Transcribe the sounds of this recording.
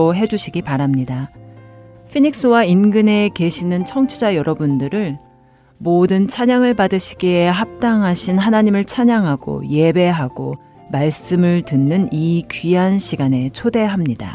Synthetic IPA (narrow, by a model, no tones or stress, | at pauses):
oɦe̞d͡ʑuɕʰiɡipaɾamɲida | pʰiɲik̚s͈ɯwainɡɯne̞ke̞ɕʰinɯnt͡ɕʰʌŋt͡ɕʰud͡ʑajʌɾʌbundɯɾɯɭ | modɯnt͡ɕʰaɲaŋɯɭpadɯɕʰi̥ɡeeɦap̚t͈aŋɦaɕʰinɦanaɲimɯɭt͡ɕʰaɲaŋɦaɡo̰je̞be̞ɦaɡ̥o | maɭs͈ɯmɯɭtɯnːɯnikɥiɦanɕʰiɡane̞t͡ɕʰode̞ɦamɲida̰